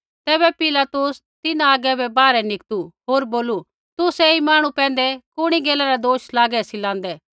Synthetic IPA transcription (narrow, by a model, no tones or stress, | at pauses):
t̪ɛːβɛpɪlat̪ʊs | t̪ɪnãaːɡɛbɛbaːɾɛnɪkt̪uɦoːɾboːlu | t̪ʊsɛimaːɽ̃upɛ̃ːn̆d̪ɛkʊɽ̃iɡɛːlaɾad̪oːʃlaːɡɛsilãːnd̪ɛː